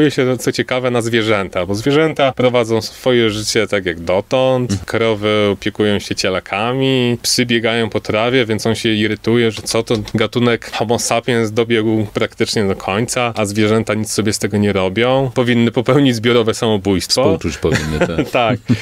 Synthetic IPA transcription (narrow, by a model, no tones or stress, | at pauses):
jɛɕɛt̪sɔt͡ɕɛkavɛnazvʲjɛʐɛnt̪abɔzvʲjɛʐɛnt̪apɾɔvad̪zɔ̃w̃sfɔjɛʐɘt͡ɕɛt̪akʲjaɡd̪ɔt̪ɔnt̪kɾɔvɘɔpʲjɛkujɔ̃w̃ɕɛt͡ɕɛlakʰamʲipsɘbʲjɛɡajɔ̃w̃pɔt̪ɾavʲjɛvʲjɛnt̪sɔnɕɛiɾɘt̪ujɛʐɛt̪sɔt̪ɔɡat̪unɛkxɔmɔsapʲɛnzd̪ɔbʲjɛɡwpɾakt̪ɘt͡ʂɲɛd̪ɔkʰɔɲt̪saazvʲjɛʐɛnt̪aɲit̪ssɔbʲjɛst̪ɛɡɔɲɛɾɔbʲjɔ̃w̃pɔvʲinːɘpɔpɛwɲid͡ʑzbʲjɔɾɔvɛsamɔbujst̪fɔtut͡ɕpɔvinːt̪ak̚